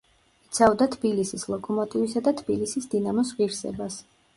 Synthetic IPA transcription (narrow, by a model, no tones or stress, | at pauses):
it̪sʰavd̪at̪ʰbilisislˠɔkʼɔmɔt̪ʼivisad̪at̪ʰbilisisd̪inamɔs̬ʁiɾsɛ̰bas